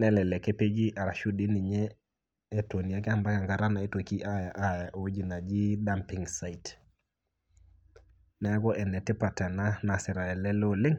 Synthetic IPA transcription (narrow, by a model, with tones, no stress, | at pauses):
nɛ˦lɛ˨lɛ˨ke˦pe˦d͡ʒi˦ʔa˨ɾa˨ʃu˦di˦ni˨ɲɛː˦˨ | to˨ni˨a˦k̬ɛ˦a˦mba˦ka˨ŋɡa˨ɾa˦na˨e˦to˨ki˦ʔa˦ja˨ʔa˦ja˨ʔwi˦d͡ʒi˨na˨d͡ʒi˦da˦mpi˨ŋsa˦i˨t | na˦ɡɔ˦ʔɛ˨nɛ˨tɪ˦pa˨ta˨na˦na˨sɪ˨ɾa˨ɛ˨lɛ˦lo˨lɪ˦ŋ